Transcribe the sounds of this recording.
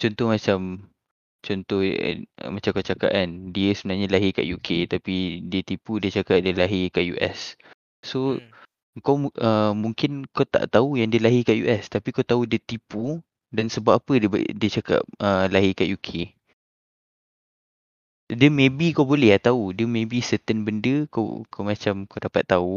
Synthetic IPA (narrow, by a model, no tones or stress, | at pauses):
t͡ʃɔnt̪ɔhmat͡ʃam | t͡ʃɔnt̪ɔhmat͡ʃamkat͡ʃaka̰ʔandiəsəbənaɲalaɦika̰ʔjukʰet̪apidiət̪ipudiət͡ʃakaʔ̚diəlaɦikaʔjṵʔɛ̰s | so | əŋkawəmuŋkɪnkawt̪a̰ʔt̪aujaŋdiəlaɦikaʔjuʔɛst̪apikawt̪audiət̪ipu | dansəbaʔapədəb̰diət͡ʃaka̰p̚əlaɦɪkaʔjukʰe | diəmẽbikawbolɛat̪audiəmẽbisət̪ənbəndəka̰kʰawmat͡ʃamkawdapat̪ːau